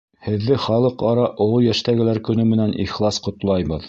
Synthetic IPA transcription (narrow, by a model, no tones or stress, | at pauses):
hɘ̆ðːɘχɑlˠɤqɑɾɑʔŏlˠɤjæʃt̪æɡɘ̆læɾkɵ̆nɵmɘ̆nænʔḭχlˠɑsqŏt̪lˠɑjβɤð